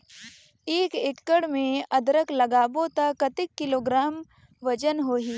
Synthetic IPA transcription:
eːkɪkːəɽmẽɐd̪ɾəklɐɡaːbot̪ɐkːɐt̪ɪkːɪloːɡɾaːm | ʋɐd͡ʒənɦoːɦiː

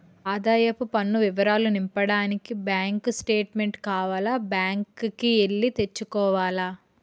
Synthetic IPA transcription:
aːd̪aːjɐpupɐnːuʋiʋɐɾaːlunimpɐɽaːnikibjaːŋksʈe̞ːʈme̞ɳʈkaːʋaːlaːbjaːŋkkieɭːit̪et͡ʃːukɔːʋaːla

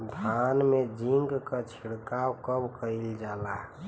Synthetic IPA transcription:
d̪ʱanmed͡ʒiŋɡkət͡ʃʰiɽkawkəbkəild͡ʒala

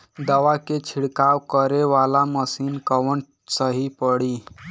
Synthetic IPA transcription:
d̪əʋaket͡ʃʰiɽkawkəɾeʋalaməsiːnkəʋəɳ | səɦipəɽi

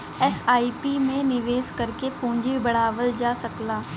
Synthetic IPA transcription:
ɛsaːiːpimẽnɪʋeːskəɾkepũːɲd͡ʒibəɽ̤aːʋəld͡ʒaːsəklaː

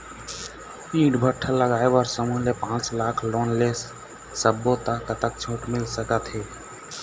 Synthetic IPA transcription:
ĩʈbʱəʈʰːəlːəɡaebɔɾsəmuɦlepãt͡ʃlakʰlonlesː | əbːot̪akət̪ək̚t͡ʃʰõʈmilsəkət̪ɦe

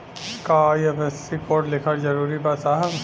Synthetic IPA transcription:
kaiefɛsikoːɾɖlɪkʰəɾd͡ʒɐɾuːɾibaːsaːɦb

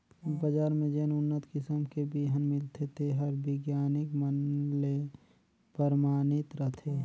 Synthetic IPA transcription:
bəd͡ʒaːɾmẽd͡ʒeːnʊnːət̪kɪsəmkebiɦənmɪlt̪ʰet̪eɦəɾbɪɡjaːnɪkmənle | pəɾmaːnɪt̪ɾəɦt̪ʰe

